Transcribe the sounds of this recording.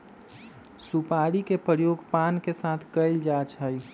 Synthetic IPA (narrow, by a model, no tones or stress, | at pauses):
supaɽikepəɾjoɡpankesat̪ʰkəɪld͡ʒat͡ʃʰəj